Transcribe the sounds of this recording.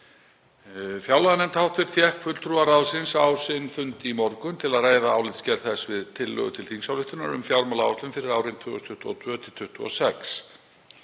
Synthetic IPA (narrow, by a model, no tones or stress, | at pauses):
fjawlaðnɛmt̪hawht̪fɪɾ̥fjɛhkfʏlt̪ʰɾuaɾawsɪnsawsɪnfʏnt̪ɪimɔɾkʏmt̪ʰɪlaðraːjðaaːwlɪt̪scɛɾθɛsvɪðt̪ʰɪlːœ̰ɣʏt̪ʰɪlθiŋsawlɪht̪ʏna̰ɾʏ̰mfjawɾmalawht̪lʏmfɪɾɪɾawɾɪnt̪ʰvʏːʏst̪ʰʏht̪ɔt̪ʰvœːt̪ʰɪl̥t̪ʰʏht̪ʏɔ̰sɛks